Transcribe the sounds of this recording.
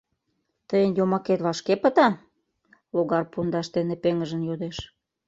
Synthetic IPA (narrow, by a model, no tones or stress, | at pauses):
t̪əjənjomɑket̪βɑʃkepə̆t̪ɑ | loɣɑrpund̪ɑʃt̪enepeŋəʒə̆njod̪eʃ